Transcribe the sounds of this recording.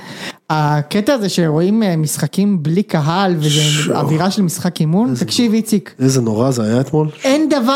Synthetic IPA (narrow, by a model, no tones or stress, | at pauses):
aket̪aːzeʃeʁo̞immisχakimblikaɦalvezea̰viʁaʃelmisχakimunt̪akʃivit͡sikezenoʁazeajaet̪molend̪ava